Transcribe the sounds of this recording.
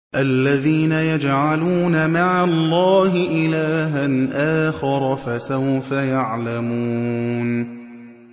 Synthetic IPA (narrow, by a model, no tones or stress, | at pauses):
ʔalːaðiːnajad͡ʒʕaluːnamaʕalːɑːhɪʔɪlaːɦanʔaːxɪɾˤɑfasawfajaʕlamuːn